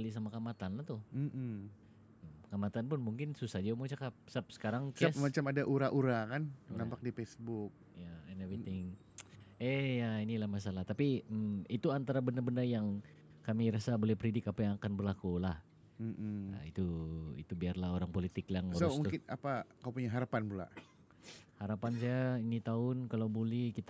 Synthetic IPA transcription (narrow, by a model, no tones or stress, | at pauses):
alis̬amakamat̪anlaht̪ʊm̩ | kamat̪anpʊnmuŋkɪnsusahd͡ʒamut͡ʃakap̚sap̚sə̥kaɾaŋkasmat͡ʃamadaʔuɾaʔuɾakannampak̚difesbʊk̚jaɛnɛvɾiɪŋ | ɛjainilahmas̬alaht̪apiəmit̪uant̪aɾabəndərbəndərjaŋ | kamiɾasabolɛhpəɾidɪkapajaŋakanbərlakulah | m̩mə̰it̪uḭt̪ubiarlaɦoɾaŋpolit̪ɪklaŋɾosmuŋt̪kɪna̰pakawpuɲaɦaɾapanbula̰ | haɾapans̬ajainit̪aʊnkalawbolɛhkit̪